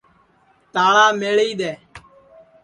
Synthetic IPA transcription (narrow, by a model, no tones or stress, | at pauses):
t̪aːɭaːmeːɭiːɗ̪eː